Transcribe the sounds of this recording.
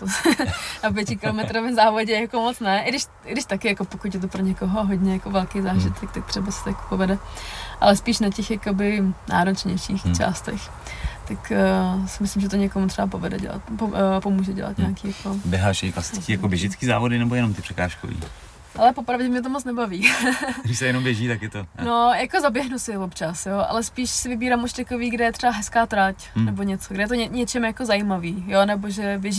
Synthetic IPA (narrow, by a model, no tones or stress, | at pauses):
t̪onap̬jɛcɪkɪlomɛt̪ɾovɪmzaːvo̞ɟɛjakomot͡snɛʔɪɡdɪʃ | ɪɡdɪʃt̪akɪjakopokucjɛt̪̬opɾoɲɛkoɦoɦodɲɛjakovɛlkejzaːʒɪt̪ʰɛkt̪ak̚t̪r̥ɛbasɛ̥t̪ojako̥povɛdɛʔa̰lɛspiːʃnacɛxjakobɪnʔa̰ːɾot͡ʃɲɛjʃiːxt͡ʃa̰ːst̪ɛx | t̪akːsɪmɪslɪmʒɛt̪oɲɛkomut̪r̥ɛbap̬o̞vɛdɛ̰ɟɛ̰la̰t̪popomuːʒɛɟɛ̰la̰t̪ɲaːkiːjakobjɛɦaːʃjɛklasɪ̥t͡skiːjakobjɛʒɪt͡skiːzaːvodɪnɛbojɛnomt̪ɪpr̥ɛkaːʃko̰vḭː | ʔalɛpopɾavɟɛmɲɛt̪̬omot͡snɛbaviːɡdɪʃsɛjɛnombjɛʒiːt̪akjɛt̪onojakozabjɛɦnusɪvopt͡ʃasjoʔa̰lɛspiːʃsɪvɪbiːɾaːmuʃt̪akoviːɡdɛjɛt̪r̥ɛbaɦɛskaːt̪ɾacnɛbo̞ɲɛt͡soɡɾɛjɛt̪oɲɛɲɛt͡ʃɛmjakozajimaviːjonɛboʒɛbjɛʒi